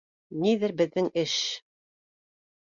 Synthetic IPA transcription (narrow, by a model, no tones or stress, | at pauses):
niðɘɾbɘ̆ðːɘŋɘʃ